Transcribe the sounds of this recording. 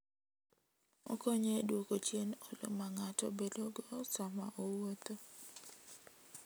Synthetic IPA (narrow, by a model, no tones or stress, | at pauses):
ɔ̰koɲedwokot͡ʃjenɔlo̰maŋatɔ̰bedoɡɔsama̰ʔowot̪o